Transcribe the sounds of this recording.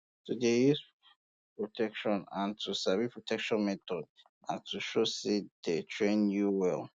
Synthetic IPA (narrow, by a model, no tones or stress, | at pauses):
tʰudejis | pɹotʰɛkʃɔ̃nãntʰusavipʰɹotʰɛkʃɔ̃nmɛt̪ɔd̚ | ãntʰuʃosedetʰɹẽnjuwɛl